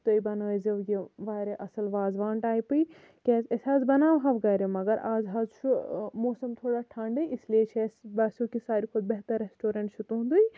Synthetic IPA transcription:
t̪oibɐnaːziʋjiʋaːɾeʔɐsɐlʋaːzʋaːɳʈaːjpɨi | kʲɛːzesʲaːzbɐnaːʋɦɐʋɡɐːɾemɐɡɐɾʔaːzɦɐːzt͡ʃʰumoːsɐmt̪ʰoːɽaːʈʰɐːɳɖɐjisliet͡ʃʰesbɐsukisaːɾikʰud̪̚bɐɦt̪ɐɾːesʈoːɾɐ̃ɳʈt͡ʃʰut̪uɦũnd̪uj

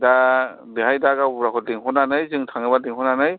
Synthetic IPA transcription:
da | diɦajdaɡawbuɾakʰɔt̚liŋɦɔnanɯjzɯŋtʰaŋɯbadiŋhɔnanɯj

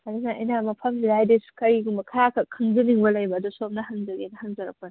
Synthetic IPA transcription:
ɐdinaɐ̰jnamɐpʰɐmzilajdesu̥kɐɾiɡumbɐkʰɐjakʰɐkʰɐŋzɐniŋbɐlɐjbɐːdusomnɐhɐŋzɐɡinɐhɐŋzɐɾɐpɐn

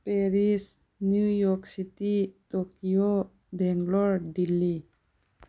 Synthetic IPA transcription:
peɾis | njujɔksit̪it̪okio | bɛŋɡlɔɹdilːi

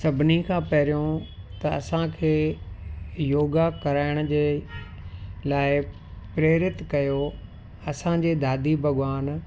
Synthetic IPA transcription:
sɐbʱnikʰãːpɐɦɾijõt̪ɐɐsãkʰeː | joːɡakɐɾaːɪɽ̃əd͡ʑeː | laːɪ | pɾeːɾɪt̪kɐjo | ɐsãd͡ʑeːd̪aːd̪ʱibʱɐɠʋaːn

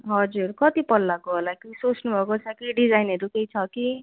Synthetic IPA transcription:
ɦʌd͡zurkʌt̪ipʌlːakoɦolakisot͡snubʱʌkot͡sʰʌkiɖid͡zajnʌɾukejt͡sʰʌki

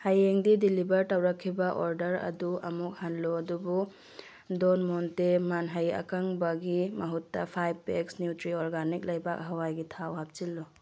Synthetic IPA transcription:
hajeŋdidilibɐɾtɐwɾɐkʰːibɐʔoɾdɐɾɐ̰duɐmuk̚hanloɐdubu | donmontemanɦajɐ̰kaŋbɐɡimɐɦutːɐpʰajb̚peksnjutɾioɾɡanik̚lɐjbak̚ɦɐwajɡitʰawɦap̚t͡ʃilːo

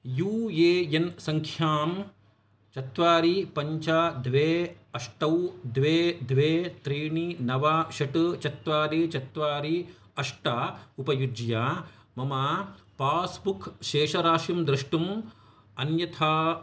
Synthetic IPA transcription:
juːjeːjɐnsɐŋkʰjaːm | t͡ʃɐt̪ʋaːɾipɐɲt͡ʃad̪ʋeːɐʂʈɐwd̪ʋeːd̪ʋeːt̪ɾiːɳinɐʋaʃɐʈɨt͡ʃɐt̪ʋaːɾit͡ʃɐt̪ʋaːɾi | ɐʂʈaːupɐjud͡ʒjaː | mɐmaːpaːsbukʰʃeːʃɐɾaːʃimd̪ɾiʂʈum | ɐnjɐt̪ʰaː

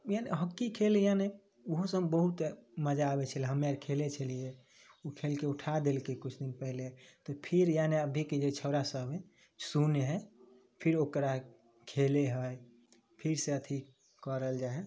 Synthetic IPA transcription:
janḛɦəkːikʰelejane | uɦosəbəɦut̪məd͡ʒaːbet͡ʃʰəleɦəmaɾkʰelet͡ʃʰəlije | ukʰelkeuʈʰad̪elkekut͡ʃʰd̪inpəɦlet̪ɔpʰiɾjaneəb̪ʱiked͡ʒet͡ʃʰəʊɾasəbe | suneɦɛ | pʰiɾokɾa | kʰeleɦəj | pʰiɾseət̪ʰi | kəɾəld͡ʒaɦe

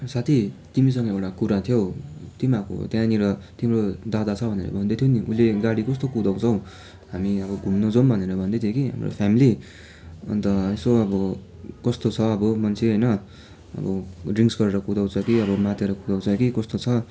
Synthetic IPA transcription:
sat̪ʰit̪imis̬ʌŋɡʌewʈakuɾat̪ʰijot̪imako̰t̪jãniɾʌt̪imrod̪ad̪at͡sʰʌbʱʌnḛɾʌ̰bʱʌnd̪et̪ʰjoniʔṵleɡaɽikʌst̪okud̪aw̃t͡sʰʌw̃ | ɦamiʌbʌɡʱunːod͡zombʱʌneɾʌbʱʌnd̪ʌt̪ʰjokiɦa̰mro̰pʰjamili | ʌ̰nt̪ʌesoʌbʌ | kʌst̪ot͡sʰʌːbʌmʌnt͡sʰeɦʌjnʌ | ʌ̰bʌriŋsɡʌɾeɾʌkud̪aw̃t͡sʰʌkiʌbʌmat̪jeɾʌkud̪aw̃t͡sʰʌkikʌst̪ot͡sʰʌ

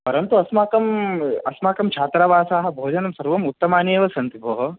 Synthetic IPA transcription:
pɐɾɐnt̪uɐsmaːkɐmɐsmaːkɐmt͡ʃʰaːt̪ɾɐʋaːsaːɦɐ̆bʱoːd͡ʒɐnɐmsɐɾʋɐmut̪ːɐmaːneːʋɐsɐnt̪iboːɦɐ

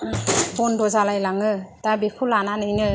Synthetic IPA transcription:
bɔndɔzalajlaŋɯdabikʰulananɯjnɯ

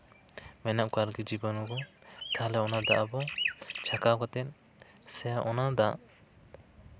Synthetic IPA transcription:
mɛnaʔkaɾɡid͡ʒibɔnɔɡɔt̪alɛɔnad̪aʔabɔt͡ʃʰakakɔt̪ɛt̪̚ˀ | sɛaʔɔnad̪aʔ

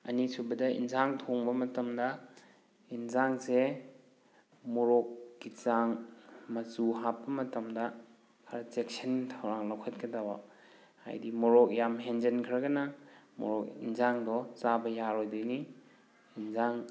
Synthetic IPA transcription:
ɐnisubɐdɐḭnzaŋtʰoŋbɐmɐtɐmdɐ | inzaŋse | muɾɔkːit͡ʃaŋmɐsuɦapːɐmɐtɐmdɐ | kʰaɾatek̚sentʰawɾaŋlawkʰɐt̚kʰɐdawa̰ | ha̰jdimɔɾɔk̚jamɦend͡ʒenkʰɾɐɡɐnɐmɔ̰ɾɔkinzaŋdɔt͡ʃabɐjaɾɔjdojniː | nzaŋ

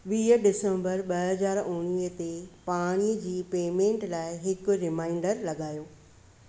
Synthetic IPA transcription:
ʋiːɦəɖɪsə̃mbəɾɓɐɦɐzaːɾʊ̃ɽ̃iːɦət̪epaːɽ̃iəd͡ʑiːpeːmẽːɳʈlaːɪɦɪkɾɪmaːɪɳɖəɾlɐɠaːjoː

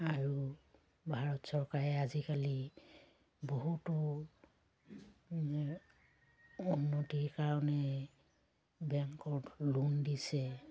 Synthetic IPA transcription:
aɹu | bʱaɹɔtsɔɹkaɹɛazikali | boɦutɔ | unːotiɹkaɹɔnɛ | bɛŋkɔlundisɛ

